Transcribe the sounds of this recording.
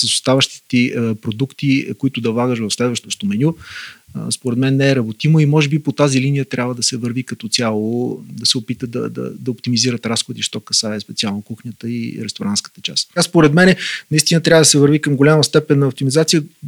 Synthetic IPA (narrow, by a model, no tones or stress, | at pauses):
səsʊst̪avəʃt̪i̥t̪ɛpɾod̪ukt̪ikoit̪ʊd̪ɐvlˠaɡəʃvɐfslɛd̪vəʃt̪oʃt̪omɛnʲu | spoɾɛd̪mɛnːɛɛɾɐbot̪imoimɔʒɛbipot̪azilinijət̪ɾʔabvəd̪ɐsɛvəɾvikɐt̪ɔt̪sʲjalˠod̪ɐsɛopit̪əd̪ɐ̰d̪ɐ̰d̪ɐopt̪imiziɾət̪ɾasxod̪iʃt̪ɔkɐsaɛspɛt̪sialˠnokuxnʲət̪əiɾɛst̪oɾanskə̥t̪ət͡ʃa̰st̪aspoɾɛd̪mɛnɛnɐist̪inət̪ɾʲavəd̪ɐsɛvəɾvikəmɡolʲaməst̪ɛpɛnːɐoft̪imizat̪sijə